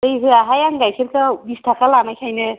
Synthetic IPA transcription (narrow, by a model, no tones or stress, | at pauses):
ɯjɦɯaɦajaŋɡajkʰeɾkabist̪ʰakalamakʰajnɯ